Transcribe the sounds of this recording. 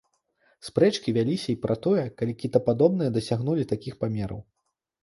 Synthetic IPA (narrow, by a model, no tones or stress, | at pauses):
spɾɛt͡ʂkʲivʲalʲisʲɐipɾʔɐt̪ɔjɛkalʲikʲit̪ɐpad̪ɔbnɨjɐd̪ɐsʲaɣnulʲit̪akʲixpamʲɛɾɐ̰w